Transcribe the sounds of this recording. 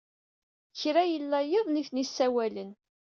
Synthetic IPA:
çɾæjəlːæjeðˤniθnisːæwælən

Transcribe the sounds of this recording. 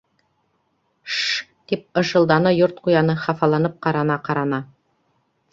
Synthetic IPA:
ʃt̪ip̚ɤ̆ʃɤ̆lˠd̪ɑnɤjoɾt̪̚qujɑnɤχɑfɑlˠɑnɤp̚qɑɾɑnɑqɑɾɑnɑ

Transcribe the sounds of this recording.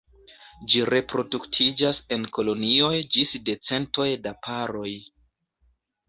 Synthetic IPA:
d͡ʒiɾe̞pɾo̞duktʰid͡ʒase̞nko̞lo̞nio̞jd͡ʒisde̞t͡se̞nto̞jdapʰaɾo̞j

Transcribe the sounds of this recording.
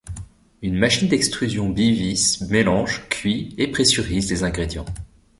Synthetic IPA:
ynmaʃind̪ɛkst̪χyzjɔ̃bivismelɑ̃ʒkʰʲɥiepχesyʁizd̪ezɛ̃ɡʁed̪jɑ̃

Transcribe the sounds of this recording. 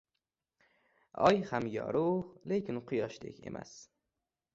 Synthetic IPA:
ɒjhamjɒ̰ɾoʁlekʲʰɪnqʰʊjɒʃd̪ḛkʲʰe̞̰mʔa̰s

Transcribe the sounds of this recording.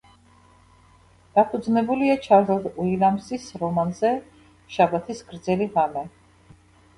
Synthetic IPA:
d̪̥apʰud̪znɛbuliat͡ʃʰaɾd̪ɔd̪uilamsisɾɔmanzɛ | ʃabat̪ʰisɡɾd̪zɛliʁamɛ

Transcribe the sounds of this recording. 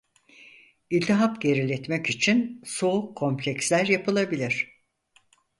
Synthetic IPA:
ilʲt̪ʰiɦapɟe̞ɾilʲɛt̪mɛcit͡ʃʰinso̞ukʰːo̞mplʲɛkslʲæɾjapʰɯlˠabilʲiɾ̥

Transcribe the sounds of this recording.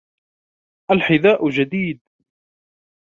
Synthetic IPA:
ʔalħɪðaːʔʊd͡ʒad̪iːd̪̚

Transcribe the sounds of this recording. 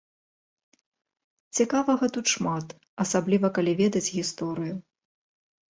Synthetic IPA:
t͡sʲɛkavɐɣɐt̪ut̪ʂmat̪ | ɐsablʲivɐkalʲivʲɛd̪ɐd͡zʲɣʲist̪ɔɾɨju

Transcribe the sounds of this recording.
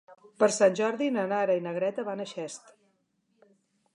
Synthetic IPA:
pəɾsanʲʒɔɾðinənaɾəinəɣɾɛt̪əβanəʃɛst̪

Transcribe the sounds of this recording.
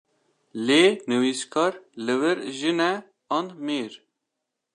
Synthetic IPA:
leːnɨwiskʰɑːɾlɨwɨɾʒɨnɛ | ɑnmeːɾ

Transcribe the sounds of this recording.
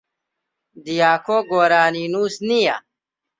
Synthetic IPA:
d̪ijaːkoːɡoːɾaːninuːsnija̰

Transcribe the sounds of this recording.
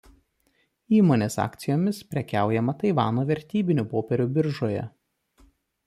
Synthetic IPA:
iːmoːnʲeːsɑ̰ːkt̪sʲɪjoːmʲɪspʲɾʲɛkʲæˑʊjɛmɐt̪ɐɪʋɑːnoːʋʲɛɾʲt̪ʲiːbʲɪnʲʊpoːpʲɛɾʲʊbʲɪɾʒoːjɛ̰

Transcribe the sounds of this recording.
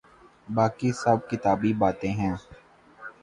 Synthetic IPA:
baːkisɐb̚kɪt̪aːbibaːt̪ẽɦɛ̃ː

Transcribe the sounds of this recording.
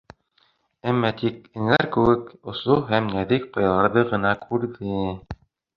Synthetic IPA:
æmːɑt̪ik̚ɘ̆ŋæɾkɘ̆wɘkŏsoɦæmnæðik̪̚qɑjɑlˠɑɾðɤʁɤ̆nɑkʰʉɾðɘ

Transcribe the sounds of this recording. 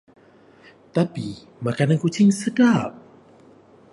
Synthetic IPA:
t̪api | makanankut͡ʃɪŋsəɡap̚

